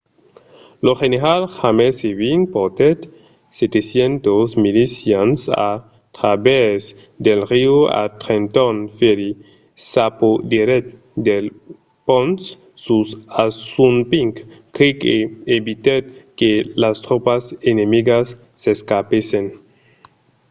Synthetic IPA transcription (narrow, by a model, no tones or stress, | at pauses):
loxeneɾalxameseβinpoɾt̪et̪ | set̪esjent̪osmilisjansa̰ | t̪ɾaβez | d̪elrioa̰t̪ɾent̪onfeɾi | sapod̪iɾet̪̚ | d̪el | pons | susasunpiŋkkikeeβit̪et̪̚kelast̪ɾopasenemiɡasː | eskapesen